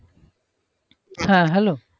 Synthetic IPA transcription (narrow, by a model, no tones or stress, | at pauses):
hãɦɛloː